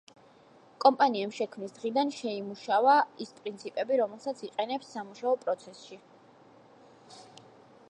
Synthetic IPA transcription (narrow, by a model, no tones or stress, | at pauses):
kʼɔmpʼaniɛmʃɛkʰmnisd̪̥ʁid̪anʃɛimuʃavaispʼɾint̪sʰipʼɛbiɾɔmɛlˠsat̪sʰiqʼɛnɛpsːamuʃaɔpʼɾɔt̪sʰɛsʃi